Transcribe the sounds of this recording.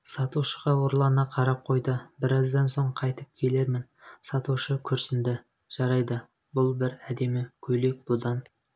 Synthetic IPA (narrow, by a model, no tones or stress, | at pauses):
sɑt̪uʃəʁɑwoɾlˠɑnɑqʰɑɾɑp̚qʰo̞jd̪əbɪɾɑzd̪ɑnso̞ɴqʰɑjt̪əp̚kʲʰe̞le̞ɾmɪnsɑt̪uʃəkʲʰʏɾsɪnd̪ɪ | ʒ̥ɑɾɑjd̪ə | bʊlˠbɪɾæd̪e̞mɪkʲʰɵle̞k̚b̥ʊd̪ɑn